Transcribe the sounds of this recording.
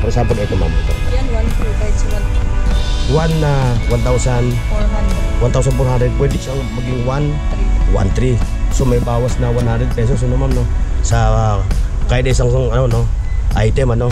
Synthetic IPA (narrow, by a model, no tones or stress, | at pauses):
pɔɾsampɛlet̪oma̰mat̪a̰a | wanːawant̪ausan | want̪aws̬anpɔɾɦandɾɛd̪̚pwɛdit͡ʃaŋmaɡiŋwan | wa̰nt̪ɾisomajbawasnawanhandɾɛd̪̚pɛs̬ɔs̬nomamnosa | kaidesaŋsaŋanono | ʔajt̪ɛmano